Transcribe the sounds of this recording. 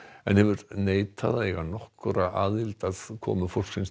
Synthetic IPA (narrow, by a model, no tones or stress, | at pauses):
ɛ̰nhɛvʏɾneːjt̪ʰaðaɛɣanɔhkɾaʔaːðɪlt̪aðkʰɔ̰ːmʏfowl̥ksɪns